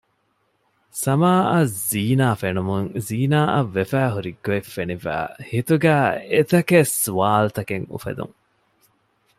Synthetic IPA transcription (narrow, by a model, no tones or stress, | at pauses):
sɐmaːɐziːnaːfenumuŋziːnaːʔɐʋːefæːɦuɾiɡːoefːenifæ̰ːhit̪uɡæːet̪ɐkesuʋaːlut̪ɐkeŋṵfḛd̪ṵŋ